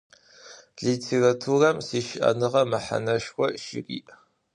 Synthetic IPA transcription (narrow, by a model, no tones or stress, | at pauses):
ɮiːtʰeːratʰurɐmsiːʃʔɐ̰nɨʁɐmɐħa̰nɐʃxʷɔʃɪ̰rḭːʔ